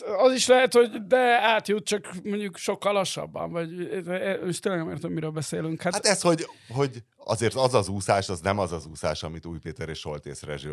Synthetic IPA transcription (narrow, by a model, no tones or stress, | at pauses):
ɒziʃlɛɦɛt̪ho̞ɟd̪ɛaːt̪jut̪̚t͡ʃɒkmoɲɟukʃo̞kːɒlːɒʃɒ̰bːɒ̰ɱvɒɟɛniʃt̪eːlɛɡnɛmeːrt̪ɛmːiɾøːbɛseːlyŋkhat̪at̪ɛsho̞ɟɦo̞ɟ | ɒ̰zeːrt̪ɒzɒzuːsaːʃɒznɛmɒzɒzuːsaːʃɒmit̪uːjpeːt̪ɛɾeːʃho̞lt̪eːsrɛ̰ʒi